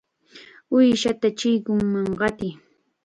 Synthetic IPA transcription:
ʊjʃat̪at͡ʃɪjkʊŋmaŋɢɑt̪ɪj

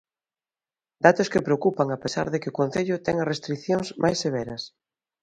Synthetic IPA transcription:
d̪at̪ʊskɪpɾeokupaŋapesa̰ɾðekɪʊkon̟θeʎʊt̪ɛŋɐsrest̪ɾikθjoŋzmʔa̰jsːeβ̞ɛɾɐs

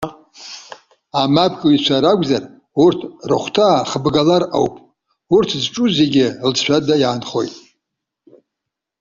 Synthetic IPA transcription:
amapʰkʼɨit͡ʃʷʰaɾaɡʷzar | urtʰrɨχʷtʰaːχəbɡalara̰wpʼ | urtʰzʈ͡ʂʼuze̞ɡʲɪlʃʷᶣʰadajaːnχo̞jtʼ

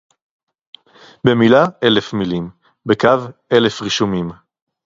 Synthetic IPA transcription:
bemilaʔe̞lefmilim | bekave̞lefʁiʃumim

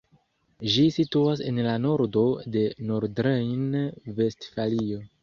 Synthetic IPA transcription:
ʒisituas̬e̞nlano̞ɾdo̞de̞noɾdɾejnve̞stfalio̞

